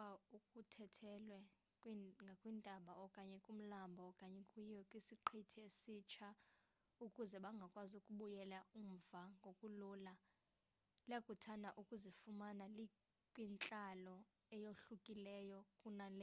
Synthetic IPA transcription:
aukʼutʰɛtʰɛlwɛ | kʼwiŋɡʱakʼwindʼʱaɓaɔkʼaɲɛkʼum̩lambʱɔːkʼaɲɛkʼijɛkʼwisiǃʰitʰiesit͡ʃʰa | ukʼuzɛɓaŋɡʱakʼwazukʼuɓujɛlaum̩vaŋɡʱokʼulula | lakʼutʰanaʔukʼuzifumanali | kʼwint͡ɬʼalɔ | ɛjoɬukʼilɛjɔkʼunalɛ

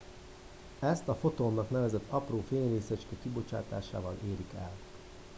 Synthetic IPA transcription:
ɛst̪ɒfo̞t̪oːmːɒkn̪ɛvɛzɛt̪ʰːɒproːfeːɲreːsɛt͡ʃkɛkibo̞t͡ʃa̰ːt̪a̰ːʃa̰ːvɒlʔeːɾikɛ̰l

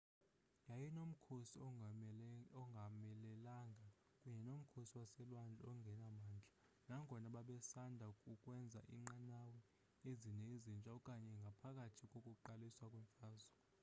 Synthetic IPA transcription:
jajɛnom̩kʰosi | ɔŋɡʱamɛlɛlaŋɡʱa | kʼuɲɛnom̩kʰosiwasɛlwand͡ɮʱɔŋɡʱɛnamaːnd͡ɮʱḁ | naŋɡʱɔnaɓaɓɛsandʱaukʼukʼwɛnd͡zʱa̰ʔiŋ͡ǃanawɛ | ezinezint͡ʃʼaukʼaɲɛŋɡʱapʰak̬ʼatʰikʼokʼuǃaliswakʼwɛɱfaːzɔ

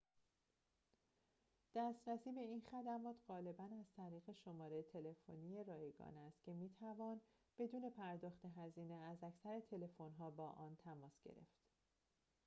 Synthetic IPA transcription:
d̪̥æst̪ɾæsiːbe̞inxæd̪æmɒːt̪ʰɢ̥ɒːle̞bænæz̥t̪ʰæɾiːɣe̞ʃomɒːɾet̪ʰe̞le̞fonije̞ɾɒːjeɡɒ̰ːnæst̪̚cʲʰe̞miːt̪ʰævɒːn | b̥e̞d̪uːne̞pʰæɾd̪ɒːxt̪e̞ɦæziːneæzæcʰsæɾet̪ʰe̞le̞fonɦɒːbɒːʔɒːnt̪ʰæmɒːsɟ̥ḛɾe̞̰ft̪

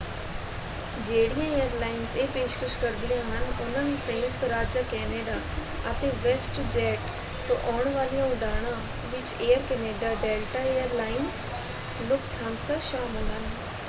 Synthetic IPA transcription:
d͡ʒeːɽijãejəɾlaːɪnzeːpeːʃkəʃkəɾd̪ijãɦənʊnãɦĩsə̃jət̪ɾaːd͡ʒaːkɛːneːɖaː | ət̪ẽʋesʈd͡ʒɛːʈ | t̪õʔɔːɳ̃ʋaːlijãʊɖaːɽ̃ãː | ʋɪt͡ʃeːəɾkɛːneːɖaːɖeːlʈaejəɾlaːɪnz | lʊkʰt̪ʰaːmsaʃaːmɪlɦən

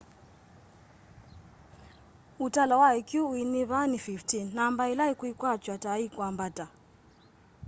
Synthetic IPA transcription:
utalawaɛkjuwiniβanififtinːambailaikwuikwat͡ʃwataikwambata

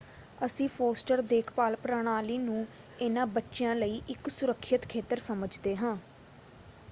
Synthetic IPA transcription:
əsĩːpʰoːsʈəɾd̪eːkʰpaːlpɾaːɳ̃aːliːnũː | ɪnãːbətːʃɪjãːləiːʔɪksʊɾəkʰːət̪kʰeːt̪əɾsəməd͡ʒd̪eːɦãː

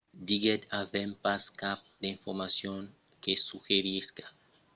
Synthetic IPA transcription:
d̪iɡed̪avẽmpaskap̚ | d̪eĩɱfoɾmasjõŋ | kesuxeɾiskḁ

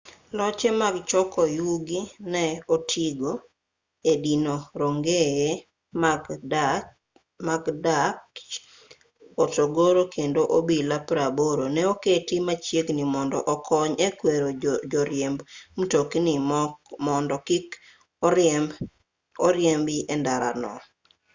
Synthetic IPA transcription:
lɔt͡ʃemaɡt͡ʃɔkɔjuɡinɛotʰiɡo | edinoɾoŋɡeje | maɡdak | otoɡoɾokʰendoʔobilapɾaboɾonɛoketimat͡ʃjeɡnimɔndɔʔɔkʰɔɲɛkweɾod͡ʒɔɾjembm̩toknimɔndɔkɪk | ɔɾjembɪʔɛndaɾa̰nɔ̰

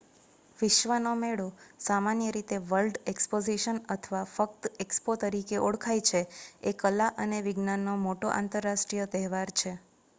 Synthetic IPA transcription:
ʋɪʃʋənomeɭosamanjəɾit̪eʋəlɖekspod͡ʒiʃənət̪ʰəʋafəkt̪ekspot̪əɾikeʔoɔɽkʰajt͡ʃʰeekəlaʔəneʋɪɡnanːomoʈoʔa̰nt̪əɾːaʃʈɾijət̪ɛɦɛʋaɾt͡ʃʰe

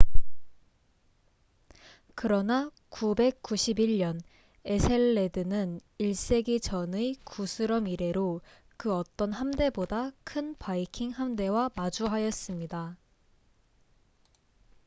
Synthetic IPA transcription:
kɯɾʌna | kube̞k̚k͈ːuɕʰibiɭɲʌn | e̞sʰe̞ɭːe̞dɯnɯniɭs͈e̞ɡit͡ɕʌnɯkʰusʰɯɾʌmiɾe̞ɾo | kɯʌt͈ʌnɦamde̞bodakʰɯnpaikʰiŋhamde̞wamad͡ʑuɦajʌs͈ɯmɲida

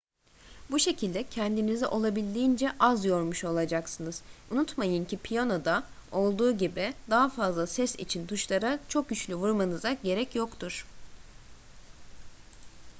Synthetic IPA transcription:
buʃe̞cʰilʲd̪ɛcʰɛnd̪inizɛʔo̞lˠabilʲd̪ijind͡ʒɛʔazjo̞ɾmuʃo̞lˠad͡ʒaksɯnɯz̥unut̪majɯncipʰijano̞d̪ao̞lˠd̪uːɟibid̪aɦafazlˠasɛsḭt͡ʃʰint̪ʰuʃlˠaɾat͡ʃʰo̞k̚ɟyt͡ʃlʲyvuɾmanɯzaɟe̞ɾɛcjokt̪ʰuɾ̥

